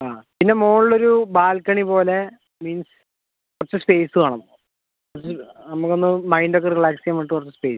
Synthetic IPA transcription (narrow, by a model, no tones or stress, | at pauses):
aːpinːe̞moːɻɭːo̞ɾubaːlkɐɳipo̞ːle̞ | miːns | kkurɐt͡ɕːɨspe̞ːsɨaːɳɐmː | urt͡ɕːɨnɐmukːo̞nːɨmɐjndok̬ːerriɭaːksijɐmːɐʈ̬ːɨkurɐt͡ɕːɨspe̞ːs